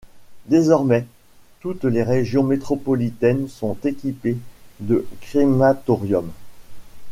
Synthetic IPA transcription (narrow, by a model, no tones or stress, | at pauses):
d̪ezɔʁmɛ | t̪ut̪leʁeʒjɔ̃met̪χɔpɔlit̪ɛnsɔ̃t̪ekʲiped̪əkχimat̪ɔʁjɔm